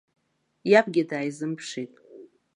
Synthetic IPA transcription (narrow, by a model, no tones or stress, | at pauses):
japʰʼɡʲɪdaːjzɨmpʰʂitʼ